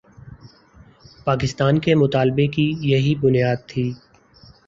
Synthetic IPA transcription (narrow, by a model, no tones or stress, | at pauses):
paːkɪst̪aːnkemʊt̪aːlbekijɐɦibʊnijaːd̪̚t̪ʰiː